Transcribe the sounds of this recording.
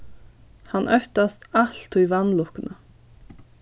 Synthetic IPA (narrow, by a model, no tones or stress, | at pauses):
hɑnʔœt̪ɑst̪ɑlt̪ʏːʋɑnlʊkənʔə